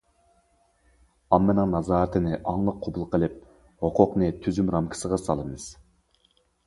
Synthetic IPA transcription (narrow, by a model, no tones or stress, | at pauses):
ɑmːɪnɨŋnɑzɑːɾt̪ʰɨnɪʔɑŋlˠəqʰːobulˠqʰəlˠɨp̚ | hoqʰʊqnɨt̪ʰyzymɾɑmkʲʰi̥səʁɑsɑlˠɨmɨz̥